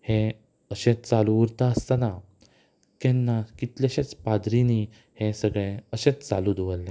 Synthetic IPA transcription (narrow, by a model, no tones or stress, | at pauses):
hẽ | əɕẽt͡st͡saluʋəɾt̪aəst̪ana | k̪ɛnːakit̪ljaɕet͡spad̪ɾini | hẽsəɡɭẽəɕẽt͡st͡salud̪ʋəlːẽ